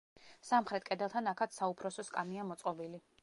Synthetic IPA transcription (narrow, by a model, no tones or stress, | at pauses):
samχɾɛt̪̚ʰkʼɛd̪ɛlˠt̪ʰanakʰat̪saupʰɾɔsɔskʼamiamɔt̪sʼqʼɔbili